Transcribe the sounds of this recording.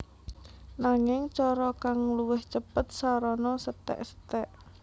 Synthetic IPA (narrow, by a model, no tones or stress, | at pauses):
naŋɪŋt͡ʃɔɾɔkaŋluwɪht͡ʃəpət̪̚saɾɔnɔsət̪ɛ̰ʔsə̥t̪ɛʔ